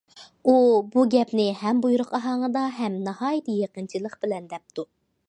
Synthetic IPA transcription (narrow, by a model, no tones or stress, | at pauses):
ubuɡʲɛpnɪhɛmbujuɾʊqɑɦɑŋəd̪ɑɦɛmnɑhɑːjt̪ʰjeqənt͡ʃʰilˠəqb̥ɪlɛnd̪ɛp̚t̪ʰu